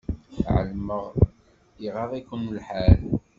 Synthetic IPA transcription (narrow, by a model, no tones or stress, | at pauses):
ʕə̰lməʁ | iʁɑðˤikʊnlħal